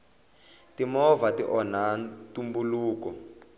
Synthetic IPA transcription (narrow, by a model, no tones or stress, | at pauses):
timɔvatiʔɔnantumbuluːkɔ